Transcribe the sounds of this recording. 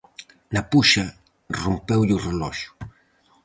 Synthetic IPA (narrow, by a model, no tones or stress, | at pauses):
napuʃɐ | rompɛwʎurelɔʃʊ̥